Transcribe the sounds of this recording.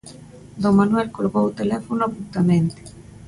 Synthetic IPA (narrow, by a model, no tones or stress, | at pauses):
d̪oŋmanwɛlkoɾɣowt̪elɛfonoapunt̪amẽnt̪e̥